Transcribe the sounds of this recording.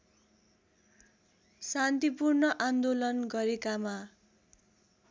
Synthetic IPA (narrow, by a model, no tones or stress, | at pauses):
sant̪ipurnʌʔand̪olʌnɡʌɾekama